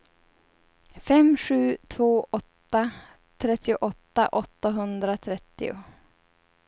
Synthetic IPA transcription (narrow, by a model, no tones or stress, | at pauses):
fɛmɧʉ̟ːt̪ʰvoːʔɔt̪ːa | t̪ʰɾɛt̪ːɪʊʔɔt̪ːaʔɔt̪ːaɦɵnd̪ɾat̪ʰɾɛt̪ːɪ̰ʊ̰